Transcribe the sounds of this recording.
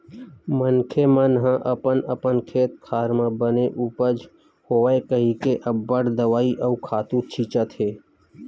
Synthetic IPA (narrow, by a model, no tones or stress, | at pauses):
mənkʰemənɦãʔɐpənəpənkʰeːt̪̚kʰaːɾmãbəneʔuːpəd͡ʒ | hoːʋaekəɦikeʔɐbːəɽd̪əʋaːiʔəkʰaːt̪uɾt͡ʃʰiːt͡ʃət̪ɦeː